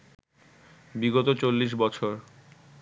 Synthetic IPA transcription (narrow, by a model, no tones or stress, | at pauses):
biɡot̪ot͡ɕolːiʃ̬bɔt͡ɕʰoɾ